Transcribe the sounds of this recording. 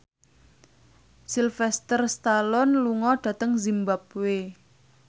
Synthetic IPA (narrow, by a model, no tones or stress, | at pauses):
silfɛst̪ərst̪alɔnluŋɔɖ̥ä̤t̪əŋzimbap̚we